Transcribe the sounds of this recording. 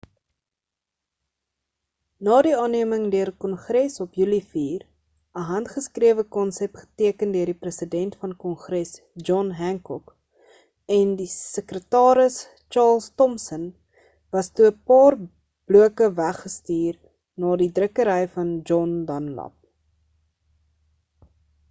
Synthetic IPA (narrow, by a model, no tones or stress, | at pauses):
nɑːdiɑːniəməŋdøərkɔnχrɛsɔpjylifiːr | əɦɐntχəskriəvəkɔnsɛpχə̥tiəkəndøədiprəsidɛntfɐnkɔnχrɛs | d͡ʒɔnɦæŋkɔk | ɛndisəkrətɑːɾəs | t͡ʃɑːlˠstɔmsən | vɐstuəpɑːr | b̥luəkəvæχːəstiːr | nɑːdidrəkəɾəjfɐnd͡ʒɔndɐnlɐ̰p̚